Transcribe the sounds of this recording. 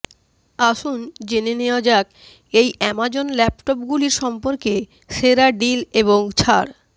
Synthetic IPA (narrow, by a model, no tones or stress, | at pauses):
aʃund͡ʑeneneoad͡ʑak | ejɛmad͡ʑonlɛpʈɔp̚ɡuliɾʃɔmpoɾke | ʃeɾaɖileβoŋt͡ɕʰaɾ